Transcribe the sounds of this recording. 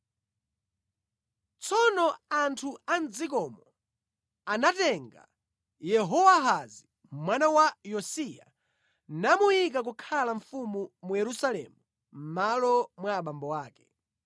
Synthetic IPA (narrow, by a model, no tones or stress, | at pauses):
t͡sɔnɔantʰuand͡zik̬ɔmɔ | anatɛŋɡa̰ | jɛɦɔwaɦazi | mwanawajɔsija̰ | namujik̬ak̬ukʰalaɱfumumujɛɾusalɛ̰mu | m̩malɔmwaːɓambɔwaːkɛ̥